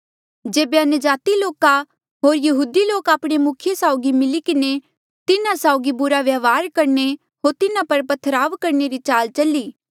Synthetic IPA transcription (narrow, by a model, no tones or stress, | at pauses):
d͡ʒeːbeɐnʊd͡ʒaːt̪iloːka | ɦoːɾjɐɦuːd̪iloːkaːpɽ̃emʊkʰɪjesaːʊɡimɪlikɪne | t̪ɪnãsaʊɡibʊɾaʋjaʋaːɾkɐɾne | ɦoːɾt̪ɪnãpɐɾpɐt̪ʰːəɾaːʋkɐɾneɾit͡ʃaːlt͡ʃɐliː